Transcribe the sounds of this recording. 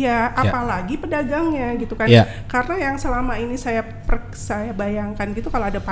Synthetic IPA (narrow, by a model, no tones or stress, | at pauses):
jaʔappalaɡipədaɡaŋɲaɡit̪ukan | kaɾənajaŋsəlamainisaja | pərəksajabajaŋkanɡit̪ukaloadapa